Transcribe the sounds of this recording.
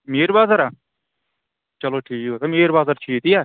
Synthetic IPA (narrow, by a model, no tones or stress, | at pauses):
meːɾbaːzəɾaː | t͡ʃəloːʈʰiːkoːt̪ameːɾbaːzəɾt͡ʃʰiːt̪iːaː